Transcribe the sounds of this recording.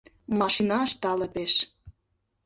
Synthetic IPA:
mɑʃinɑʃt̪ɑlə̆peʃ

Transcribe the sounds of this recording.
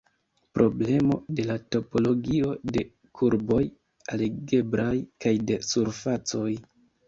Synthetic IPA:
pɾo̞ble̞mo̞̰de̞lato̞po̞lo̞ɡio̞de̞ | kʰuɾbo̞j | aleɡe̞bɾajkajde̞suɾfat͡so̞j

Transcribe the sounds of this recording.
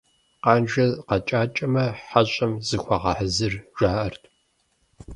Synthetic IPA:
qɑːnʒɐqɐt͡ʃʼaːt͡ʃʼɐmɐħaɕʼɐmzɨxʷɐʁɑħəzɨrʒaːʔɐrtʰʼ

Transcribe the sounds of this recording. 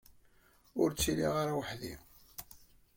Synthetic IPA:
ʊɾt͡sːiliʁaɾawəħðḭ

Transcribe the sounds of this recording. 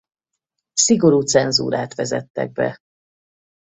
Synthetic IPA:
siɡo̞ɾuːt̪sɛnzṵːɾaːt̪ʋɛzɛt̪ːɛ̰ɡ̚bɛ̰

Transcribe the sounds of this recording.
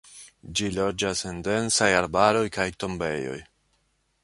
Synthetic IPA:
d͡ʒilo̞d͡ʒase̞nde̞nsajaɾbaɾo̞jkajto̞mbe̞jo̞̰j

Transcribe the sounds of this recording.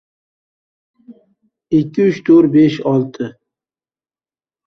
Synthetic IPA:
ɪkʲʰːɪʏt͡ʃt̪ʰɵɾbeʃɒlˠt̪ʰɪ

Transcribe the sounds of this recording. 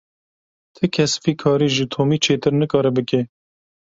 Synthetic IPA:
t̪ʰɨkʰɛsfiːkʰɑːɾiːʒɨt̪ʰoːmiːt͡ʃʰeːt̪ɨɾnɨkɑːɾɨbɨke

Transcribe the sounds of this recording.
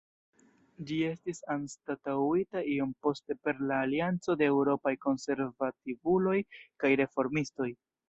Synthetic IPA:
d͡ʒie̞stisanstatawitaio̞mpo̞ste̞pe̞ɾlaːliant͡so̞de̞ːwɾo̞pajko̞nse̞ɾvativulo̞jkajɾe̞fo̞ɾmisto̞j

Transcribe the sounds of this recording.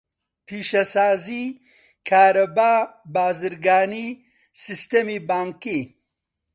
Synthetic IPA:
pʰiːʃɐsaːzi | kʰaːɾɐbaːbaːzɨɾɡaːni | sist̪emibaːŋki

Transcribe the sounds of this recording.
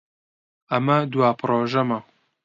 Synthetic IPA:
ɐmɐd̪uwaːpʰɨɾoːʒɐmɐ

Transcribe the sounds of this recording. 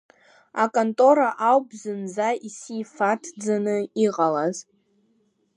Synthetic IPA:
akʼontʼo̞ɾaʔawbzɨnd͡zaisifatʰd͡zanɨiqʼalaz

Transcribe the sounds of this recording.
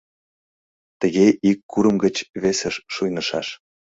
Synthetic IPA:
t̪əɣeʔikːuɾəmɡət͡ɕβesəʃːujnəʃɑ̰ʃ

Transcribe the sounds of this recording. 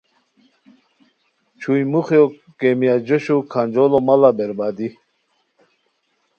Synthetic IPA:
t͡ɕʰujmuχjo | kemijad͡ʑoɕukʰand͡ʑolomalabeɾbaːd̪i

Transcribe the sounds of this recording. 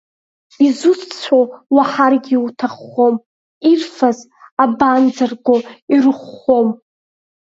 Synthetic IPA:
izut͡st͡sʷʰowaħarɡʲiwutʰaχːom | irfaz | aband͡zarɡʷoirɨχʷo̞m

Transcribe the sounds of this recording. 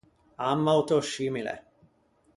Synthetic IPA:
amːawt̪ɔʃiːmilɛ̰

